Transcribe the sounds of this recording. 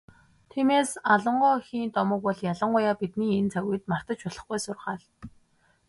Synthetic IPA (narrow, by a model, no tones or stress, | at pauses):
t̪ʰiːmeːsaɮə̆ɴɢɔːxiːnt̪ɔmə̆k̚pɔɮjaɮə̆ɴɢʊjaːpit̪niːent͡sʰaɣuːjt̪mar̥t̪ə̆t͡ɕpɔɮ̥ə̆χɡujsʊrχaːɮ